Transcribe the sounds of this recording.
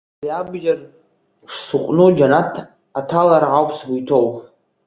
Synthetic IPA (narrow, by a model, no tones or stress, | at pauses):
iabʒar | ʈ͡ʂʰsuqʷʼnud͡ʒanatʰ | atʰalaɾʕawpʰsɡujtʰow